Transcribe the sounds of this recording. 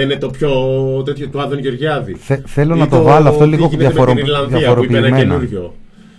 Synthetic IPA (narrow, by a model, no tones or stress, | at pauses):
inet̪opçot̪et̪çot̪uɐðonʝoɾʝɐðiθeθe̞lo̞nɐt̪o̞vɐloɐft̪oliɣoðjɐfoɾlɐnðjɐffoɾopiːmenɐ̰ʝo